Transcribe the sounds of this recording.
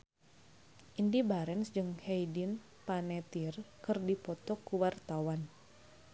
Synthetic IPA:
ʔindibaɾɛnsd͡ʒɨŋhejdin | panɛt̪irkɨrdipɔt̪ɔkuwart̪awan

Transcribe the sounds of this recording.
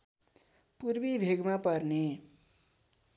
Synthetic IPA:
purbibʱeɡmapʌrne

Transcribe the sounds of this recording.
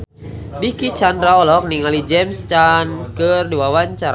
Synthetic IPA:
dikit͡ʃandɾaɔlɔk̚niŋalid͡ʒɛmst͡ʃankɨrduwawaɲt͡ʃaɾ

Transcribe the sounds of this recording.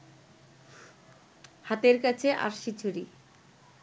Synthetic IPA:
hat̪eɾkat͡ɕʰeʔa̰ɾʃit͡ɕʰuɾi

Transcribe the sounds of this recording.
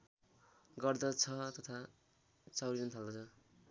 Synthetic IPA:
ɡʌrd̪ʌt͡sʰʌt̪ʌt̪ʰa | t͡sawɾinʌnt̪ʰald̪ʌt͡sʰʌ

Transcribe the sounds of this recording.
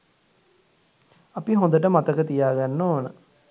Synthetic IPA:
ɐpiɦõnd̪əʈəmat̪əkət̪ijaːɡanːoːnə

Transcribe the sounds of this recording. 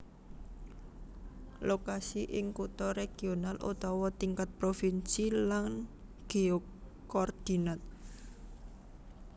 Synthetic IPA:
lokasiʔɪŋkut̪ɔɾeɡ̥i̤onalʔṵt̪ɔwɔt̪iŋkat̪̚pɾofinsilaŋ | ɡ̥eokkɔrd̪̥i̤nat̪̚

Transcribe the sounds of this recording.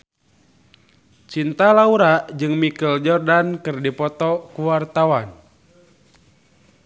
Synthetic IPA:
t͡ʃint̪alauɾaʔd͡ʒɨŋmikəld͡ʒɔrdankɨrdipɔt̪ɔkuwart̪awan

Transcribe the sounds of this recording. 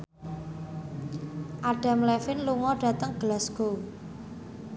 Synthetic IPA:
ʔaɖ̥a̤mlɛfɪnluŋɔɖ̥a̤t̪əŋɡ̥əlasɡ̥o

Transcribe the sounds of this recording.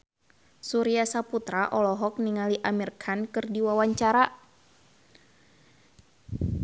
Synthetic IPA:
suɾiasaput̪ɾaʔɔlɔɦɔk̚niŋaliʔamirkʰankɨrdiwawaɲt͡ʃaɾa

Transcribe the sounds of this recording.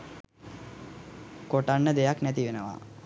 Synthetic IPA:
koʈanːəd̪ejaknæt̪iʋenəʋa̰

